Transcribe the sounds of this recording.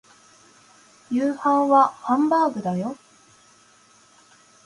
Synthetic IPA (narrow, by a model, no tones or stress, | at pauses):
jɯːhãɰ̃βahãmbaːɡɯ̟d̪ajo